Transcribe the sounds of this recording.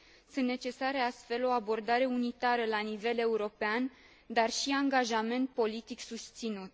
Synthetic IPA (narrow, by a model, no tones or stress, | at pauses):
sɨnt̪nːe̞t͡ʃe̞saɾeast̪fe̞lo̞abo̞rd̪aɾe̞unit̪aɾəlanive̞le̞uɾo̞pean | d̪arʃiaŋɡaʒame̞nt̪̚po̞lit̪iksust̪sinut̪